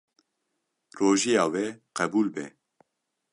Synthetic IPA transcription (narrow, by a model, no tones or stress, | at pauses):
roːʒijɑːwɛqɛbuːlbɛ̰